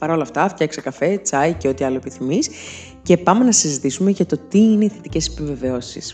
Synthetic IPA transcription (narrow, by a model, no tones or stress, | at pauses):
pɐɾo̞lɐft̪ɐfcɐksekɐfe̞t͡sɐiceo̞t̪iɐloepiθimis | ce̞pɐmenɐsizit̪isume̞ʝɐt̪o̞t̪iineiθe̞t̪ice̞se̥pive̞ve̞o̞sis